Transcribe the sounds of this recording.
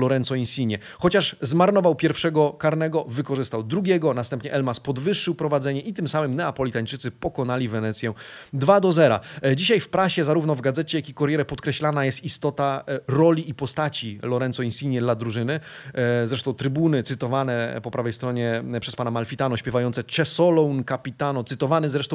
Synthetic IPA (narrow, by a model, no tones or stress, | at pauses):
lɔɾɛnt̪sɔĩnsʲiɲɛ | xɔt͡ɕaʂzmaɾnɔvawpʲjɛɾfʂɛɡɔkaɾnɛɡɔvɘkɔʐɘst̪awd̪ɾuɡʲjɛɡɔnast̪ɛmpɲɛʔɛlmaspɔd̪vɘʂːɘwpɾɔvad̪zɛɲɛʔit̪ɘmsamɘmnɛapɔlʲit̪aɲt͡ʂɘt̪sɘpɔkɔnalʲivɛnɛt̪sʲjɛd̪vad̪ɔzɛɾa̰d͡ʑiɕajfpɾaɕɛzaɾuvnɔvɡad̪zɛt͡ɕɛjakʲikɔɾjɛɾɛpɔt̪kɾɛɕlanajɛst̪ist̪ɔt̪aɾɔlʲiipɔst̪at͡ɕilɔɾɛnsɔĩnsʲiɲɛd̪lad̪ɾuʐɘnɘ | zɾɛʂt̪ɔ̃w̃t̪ɾɘbunɘt̪sɘt̪ɔvanɛpɔpɾavɛjst̪ɾɔɲɛpʂɛspanamalfʲit̪anɔɕpʲjɛvajɔnt̪sɛt͡ʂɛsɔlɔnkapʲit̪anɔt̪sɘt̪ɔvanɘzɾɛʂt̪ɔ̃w